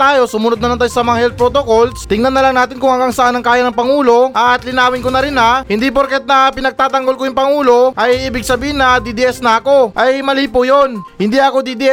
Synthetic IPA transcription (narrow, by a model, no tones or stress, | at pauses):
t̪aːjo̞sʊmʊnod̪̚nɐnɐŋt̪aːjosɐmɐŋahɛlt̪̚pɾot̪okolst̪ɪŋnɐnːɐlɐŋnaːt̪ɪnkʊŋhɐŋɡaŋsɐʔanɐŋkaːjɐnɐŋpɐŋuːlo̞ʔɐt̪lɪnaːwɪŋkonɐɾɪnɐhɪnd̪ipoɾkɛt̪̚nɐpɪnɐɡ̚t̪aːt̪ɐŋɡolkojʊŋpɐŋuːlo̞ʔɐjʔiːbɪɡ̚sɐbiːhɪnɐd̪id̪iʔɛsnɐɐko̞ʔɐjmɐliːpojo̞nhɪnd̪iɐko̞d̪id̪iʔɛ